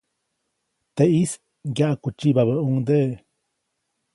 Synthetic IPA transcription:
t̪eʔis | ɡjaʔkut͡ʃibaβəuŋd̪eʔ

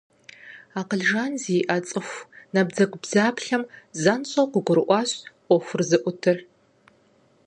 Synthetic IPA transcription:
aːqəɮʒaːnziːʔɐt͡sʼɨxʷnɐbd͡zɐɡʷʊbzaːpɬɐmzɐnɕʼɐqʷʊɡʷʊɾɨʔʷɑːɕʔʷɔxʷʊrzɨʔʷʊtʰɨr

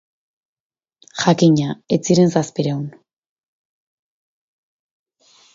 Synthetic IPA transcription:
xakiɲaet͡siɾe̞nsaspiɾewn

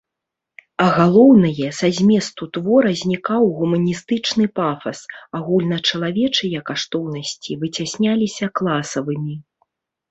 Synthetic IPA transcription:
ɐɣalˠɔwnɐjɛsazʲmʲɛst̪ut̪vɔɾɐzʲnʲikawɣumɐnʲist̪ɨt͡ʂnɨpafɐsaɣulʲnɐt͡ʂɐlˠavʲɛt͡ʂɨjɐkaʂt̪ɔwnɐsʲt͡sʲivɨt͡sʲasʲnʲalʲisʲɐklˠasɐvɨmʲi

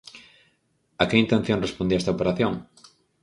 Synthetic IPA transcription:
akeint̪ẽn̟θjõŋrespond̪iaest̪aopeɾaθjõŋ

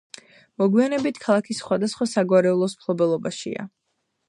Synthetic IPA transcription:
mɔɡwianɛbit̪ʰkʰalˠakʰisːχwad̪asχwasaɡwaɾɛulˠɔsmpʰlˠɔbɛlˠɔbaʃḭa̰

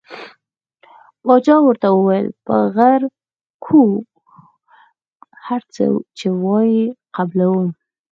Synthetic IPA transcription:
bɑd͡ʒɑwəɾt̪awəwajəlpə̰ɣaɾ | kʰu | haɾt͡sə̰t͡ʃewɑjiqablawəm

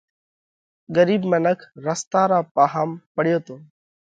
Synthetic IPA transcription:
ɡəɾiːbmənəkʰɾəst̪aːɾaːpaːɦaːmpəɽjoːt̪oː

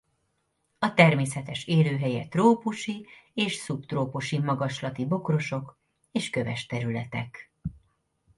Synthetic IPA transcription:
ɒt̪ɛrmeːsɛt̪ɛʃeːløːɦɛjɛt̪roːpuʃieːʃsupt̪roːpuʃimɒɡɒʃlɒt̪ibo̞kro̞ʃo̞k | eːʃkø̞vɛ̰ʃt̪ɛɾylɛt̪ɛk

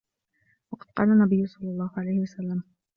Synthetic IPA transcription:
wɑqɑd̪̚qɑ̰ːlanːabɪjːʊsˤɑlːɑlˤːɑːhʊʕalajhɪwasalːam

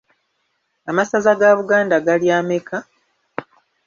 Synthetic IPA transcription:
amasazaɡaβuɡaːndaɡaljaːmekʰa

